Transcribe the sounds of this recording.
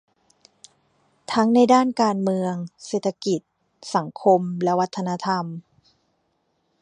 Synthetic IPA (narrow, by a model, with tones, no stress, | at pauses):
t̪ʰa˦˥ŋna˧jdaː˥˩nkaː˧nmɯ˧əŋseː˨˩t̪ʰa˧ki˨˩t̪̚ | sa˩˦ŋkʰo˧mlɛ˦˥wa˦˥t̪ʰːa˧na˧˥t̪ʰa˧m